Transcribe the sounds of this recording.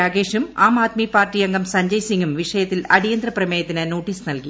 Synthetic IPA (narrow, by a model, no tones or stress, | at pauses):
aːɡeːʂumaːmaːt̪mipaːrʈijɐŋɡɐmsɐɲd͡ʑɐjsiŋɡumʋiʂɐjɐt̪ːilɐɽijɐnd̪rɐprɐmeːjɐt̪ːinɨnoːʈːiːsnɐlki